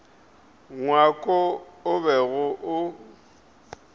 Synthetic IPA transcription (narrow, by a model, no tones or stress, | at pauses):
ŋwakʼɔʊbɛɣʊʔʊ